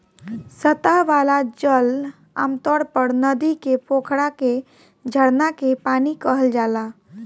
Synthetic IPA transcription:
sət̪aʋalad͡ʒəl | a̰ːmt̪ɔɽpəɾnəd̪ikepokʰɽake | d͡ʒʱəɽnakepanikəɦəld͡ʒala

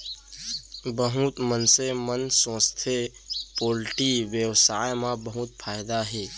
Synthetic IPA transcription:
bəɦut̪mənsemənsõːst̪ʰepoːlʈiwjəwsaːjmãbəɦuːt̪̚fʰaːjd̪aɦɛː

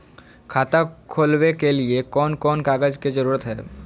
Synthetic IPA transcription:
kʰaːt̪akʰoːlwekeliekɔːnkɔːnkaːɡəd͡ʒkid͡ʒəɾuːɾət̪ɦɛː

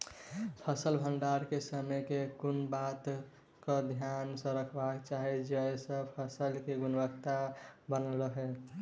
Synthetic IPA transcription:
pʰəsəlbʱənɖaɾkesəmɛkekunbat̪ | kəd̪ʱjansə̃ɾəkʰbakt͡ʃaɦɛd͡ʒəesə̃pʰəsəlkeɡunbəkt̪abənəlɾəɦɛ

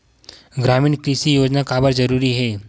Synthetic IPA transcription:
ɡɾaːmĩːnkɾiːsijoːd͡ʒnakaːbəɾzɐɾuːɾiɦɛː

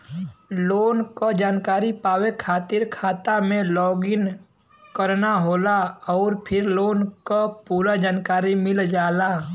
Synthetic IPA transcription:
loːnkod͡ʒaːnkaːɾipaːwekʰaːt̪ɪɾkʰaːt̪amẽlɔːɡɪn | kəɾnaɦoːlaɔːɾpʰɪɾloːnkopuːɾad͡ʒaːnkaːɾimɪld͡ʒaːlaː

